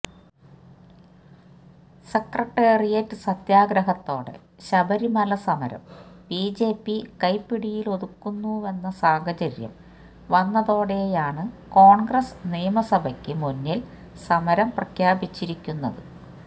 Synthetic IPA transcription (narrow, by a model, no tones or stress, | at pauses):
sekrɐʈːeːrijɐtːɨsɐt̪jaːɡɾɐɦɐt̪ːo̞ːɽḛ | ɕɐbɐɾimɐlɐsɐmɐɾɐ̰mbiːd͡ʑeːpːikɐjpːiɽijilo̞ðukːunːue̞nːɐsaːhɐt͡ɕɐɾjɐ̰m | ʋɐnːɐðo̞ːɽe̞jaːɳɨko̞ːɳɡrɐsnijɐmɐsɐbʱɐkʲːɨmunːil | sɐmɐɾɐmprɐkʰjaːbit͡ɕːiɾikʲːunːɐðɨ